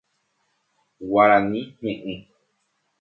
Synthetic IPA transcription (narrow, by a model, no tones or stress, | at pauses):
waɾanĩɲẽʔɨ̃